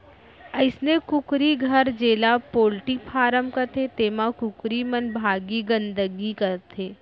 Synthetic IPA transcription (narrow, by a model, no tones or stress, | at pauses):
əɪsnekʊkɾiɡʱɐɾd͡ʒeːlapoːlʈipʰaːɾəmkɐt̪ʰet̪eːmãkʊkɾimɐnbʱaːɡiɡə̃nd̪əɡikɐɾt̪ʰeː